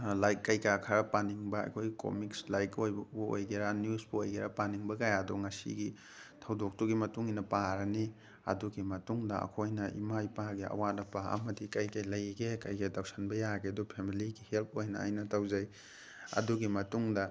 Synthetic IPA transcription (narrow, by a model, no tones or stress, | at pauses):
lajkːɐjkakʰɐɾɐpaniŋbɐɐ̰jkʰojɡiko̰mikslajkojbuo̰jɡeɾanijusbuojɡeɾɐpaniŋbɐkajaaduŋɐsḭɡi | tʰɐwdok̚tuɡimɐtuŋinɐpaɾɐni | ɐ̰duɡimɐtuŋdɐɐ̰kʰojnɐʔḭmajpaɡiɐ̰wat̚nɐpaɐ̰mɐdikɐjkɐjlɐjɡekɐjkedawsɐnbɐjaɡedupʰemiliɡihelp̚ʰojnɐa̰jnɐtawzɐj | ɐ̰duɡimɐtuŋdɐ